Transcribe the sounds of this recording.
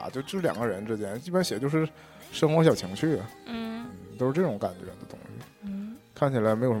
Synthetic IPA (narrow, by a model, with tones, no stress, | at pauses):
t͡ɕjo˥˧ʊt͡ɕjo˥˧ʂɻ̩˥˩ljɑ̰˨˩ŋɡə˦ɻə˧˥nʈ͡ʂɻ̩˥t͡ɕjɛ˥˧ni˥˩pnɕjɛ˨˩t͡ɕjo˥˧ʊʂɻ̩˥˩ | ʂɤ˥ŋxwɔ˧˥ɕjɑ˨˩ʊt͡ɕʰi˧˥ŋt͡ɕʰy˥˩n̩˥˩t̪o˥ʂɻ̩˥˧ʈ͡ʂɤ˥˩ʈ͡ʂʊ˧˥ŋka̰˨˩nt͡ɕɥɛ̰˧˥d̪ə˧t̪ʊ̰˥ŋɕy̰˨˩kʰa˥˩nt͡ɕʰi˨˩la˧˥ɪm˧˥jo˩ʊʂ